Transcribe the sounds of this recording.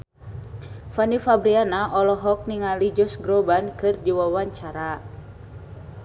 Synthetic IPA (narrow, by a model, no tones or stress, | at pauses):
fanifabɾianaʔɔlɔɦɔk̚niŋalid͡ʒɔsɡɾɔbankɨrd͡ʒiwawaɲt͡ʃaɾa